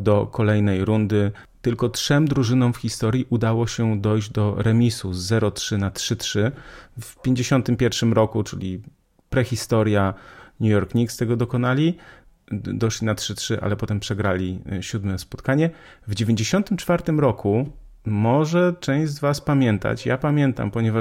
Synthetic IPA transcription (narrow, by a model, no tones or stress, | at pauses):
d̪ɔkʰɔlɛjnɛjɾund̪ɘ | t̪ɘlkɔtʂɛmd̪ɾuʐɘnɔ̃mfxʲist̪ɔɾʲjiʔud̪awɔɕɛd̪ɔjʑd͡ʑd̪ɔɾɛmʲisuzːɛɾɔtʂɘnatʂɘtʂɘfpʲjeɲd͡ʑeɕɔnt̪ɘmpʲjɛɾfʂɘmɾɔkut͡ʂɘ̰lʲi | pɾɛxʲist̪ɔɾjaɲujɔɾkɲikst̪ɛɡɔd̪ɔkɔnalʲi | d̪ɔʂlʲinatʂɘtʂɘʔa̰lɛpɔt̪ɛmpʂɛɡɾalʲiɕud̪mɛspɔt̪kaɲɛ | vd͡ʑevʲjeɲd͡ʑeɕɔnt̪ɘmt͡ʂfaɾt̪ɘmɾɔkʰu | mɔʐɛt͡ʂɛ̃w̃ʑzvaspamʲjɛnt̪a̰t͡ɕjapamʲjɛnt̪a̰mpɔɲɛva